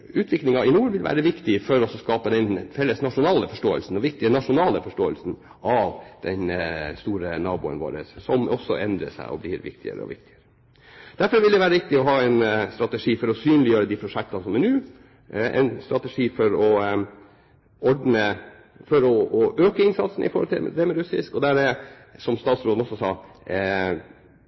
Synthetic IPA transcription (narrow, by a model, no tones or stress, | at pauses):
ʉːt̪ʰʋɪklɪŋɑɪnuːɾʋɪlʋæ̰ːɾəʋɪkt̪ɪfɔɾɔsɔskɑːpəd̪ɛnfɛlːəsnɑʂʊnɑːləfɔʂʈoːə̰lsn̩ɔʋɪk̚t̪ɪənɑʂʊnɑːləfɔʂʈoːəlsn | ʔɑʋd̪̥ɛnst̪uːɾənɑːbṵːə̰nʋo̰ːɾə̰sːɔmʔɔsːɔ̰ʔɛnd̪ɾə̰sæ̰ɪɔ̰blɪ̰ɾʋɪ̰kt̪ɪə̰ɾəɔ̰ʋɪ̰kt̪ɪəɾə | d̪̥æɾfɔɾʋɪld̪ɛʋæːɾəʋɪk̚t̪ɪɔɦɑːɛɪnst̪ɾɑt̪əʂiːfɔɾɔsyːnlɪjøːɾəd̪iːpʰɾʊʂɛk̚t̪ɑnsɔmæɳnʉː | ɛ̰nst̪ɾɑt̪əʂiːfɔɾɔ | ɔɖnə | fɔɾɔɔʔøːkəɪnsɑt̪sn̩ʔɪ̰fɔɾhɔlt̪ʰɪd̪ɛmɛɾʉsɪ̰skɔd̪æɾmɛ | sɔmst̪ɑːt̪sɾoːd̪ɔsɔsɑː